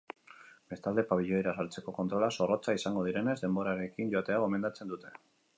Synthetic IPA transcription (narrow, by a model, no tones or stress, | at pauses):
be̞st̪ald̪e̞paβiʎo̞eɾasaɾt͡se̞ko̞ko̞nt̪ɾo̞laso̞ro̞t͡saisaŋɡo̞ð̞iɾe̞ne̞zd̪e̞mbo̞ɾaɾe̞kiɲɟo̞at̪e̞aɣo̞me̞nd̪at͡se̞nd̪ut̪e̞̥